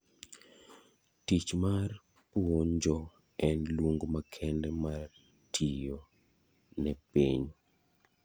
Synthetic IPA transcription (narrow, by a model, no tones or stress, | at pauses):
tit͡ʃmar | puoɲd͡ʒɔ | ɛnlwoŋɡomakʰɛndɛmar | tʰijo | nɛpiɲ